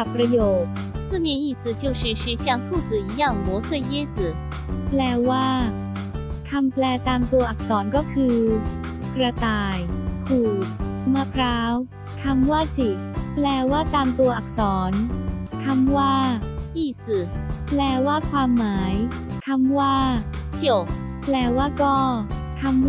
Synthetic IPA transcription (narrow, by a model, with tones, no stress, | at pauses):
a˨˩pːɾa˧joː˨˩t̪̚ | t͡sɹ̩˥˩mi˥˧˨nʔiː˥˩s̩˨˩t͡ɕjo˥˩ʊʂ̩˧˥˩ʂi˧˥ɕja˥˩ŋt̪ʰu˥˩t͡s̩˨˩i˧˥ja˥˩ŋmɔ˧˥swe˥˩ɪjɛ˥t͡s̩˨˩˦ | plɛː˧waː˥˩ | kʰa˧mplɛː˧t̪aː˧mt̪u˧ɐʔa˨˩k̚sɔː˩˦nkɔː˥˩kʰɯː˧ | kɾa˧t̪aː˧˩jkʰuː˨˩t̪̚maː˧˩pʰɾaː˦˥w | k̪ʰa˧mwaː˥˩t̪ʰi˨˩ | plɛː˧waː˥˩t̪aː˧mt̪u˧ɐʔa˨˩k̚sɔː˩˦nk̪ʰa˧˥˩mwaː˥˩ʔiː˥˩sɯ˨˩plɛː˧waː˥˩kʰwaː˧mːaː˩˦j | k̪ʰa˧˥˩mwaː˥˩ | t͡ɕi˨˩˨ | plɛː˧waː˥˩kɔː˥˩ | k̪ʰa˧˥m